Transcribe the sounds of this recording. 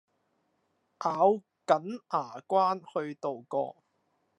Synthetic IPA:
ʔaː˨˥w | kɐ˨˥nʔaː˨˩kʷwaː˥nhɵ˧ɥt̪o˨wkɔ̰ː˧

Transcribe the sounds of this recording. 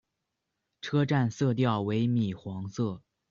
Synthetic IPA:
ʈ͡ʂʰɤ˥ʈ͡ʂa˥˧nsɤ˥˧t̪̬jɑ˥˩ʊwe˧˥ɪmi˨˩xwɑ˧˥ŋsɤ˥˩

